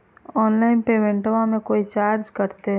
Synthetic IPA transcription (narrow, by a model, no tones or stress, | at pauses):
ɔːnlaːɪnpeːʋẽɳʈʋãmẽkoːit͡ʃaːɾd͡ʒkɐɾt̪eɦ